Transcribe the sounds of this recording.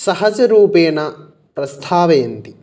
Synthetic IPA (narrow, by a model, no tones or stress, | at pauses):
sɐɦɐd͡ʒɐɾuːpeːnɐ | pɾɐst̪ʰaːʋeːnt̪i